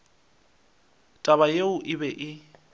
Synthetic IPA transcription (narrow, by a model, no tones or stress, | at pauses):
tʼaβajeʊʔɪbɛʔɪ